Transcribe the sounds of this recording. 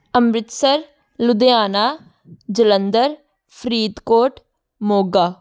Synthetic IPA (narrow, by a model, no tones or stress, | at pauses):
əmɾɪt̪səɾ | lʊd̪ejaːnaː | d͡ʒələnd̪əɾ | pʰɾiːd̪koːʈ | moːɡaː